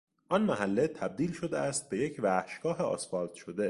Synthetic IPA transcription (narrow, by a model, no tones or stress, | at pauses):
ʔɒnmæɦælːet̪ʰæb̚d̪iːlʃo̞d̪eʔæst̪̚be̞je̞cʰvæhʃɡɒːɦeɒ̰sfɒːld̪̥ʃod̪e̞